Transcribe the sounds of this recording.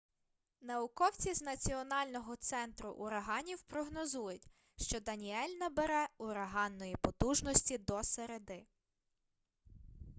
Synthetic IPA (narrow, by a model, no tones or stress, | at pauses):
nɐwʊkɔwt͡sʲiznɐt͡sʲiɔnɑlʲnɔɦɔt̪sɛnt̪ɾʊʔʊɾɐɦɑnʲiwpɾɔɦnɔzujʊtʲ | ʃt͡ʃɔd̪ɐnʲiɛlʲnɐbeɾɛʊɾɐɦɑnːɔjipɔt̪uʒnɔsʲtʲid̪ɔseɾed̪ɪ